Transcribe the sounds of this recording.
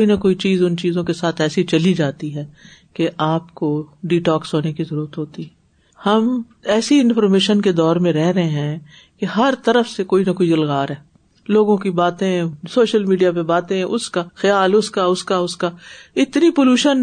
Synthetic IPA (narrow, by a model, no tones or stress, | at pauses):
koinɐkoːit͡ʃiːzʊnt͡ʃiːzõkesaːt̪ʰɛːsit͡ʃɐlid͡ʒaːt̪iɦɛːkeʔaːpkoɖiːʈɔːksoːnekizɐɾuːɾət̪ɦoːt̪iɦɛ | hɐm | ɛːsiɪnfɔɾmeːʃənked̪ɔːɾmẽɾɛɦɾɐɦẽɦɛ̃ | keɦɐɾt̪ɐɾəfsekoːinɐkoːidɐlɣaːɾɦɛː | loːɡõkibaːt̪ẽsoːʃəlmiːɖijapebaːt̪ẽʔʊskaxɐjaːlʊskaʊskaʊskaɪt̪nipoːluːʃən